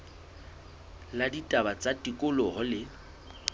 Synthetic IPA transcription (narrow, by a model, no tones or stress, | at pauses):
laditʼabat͡sʼatʼikʼʊlɔhɔlɪ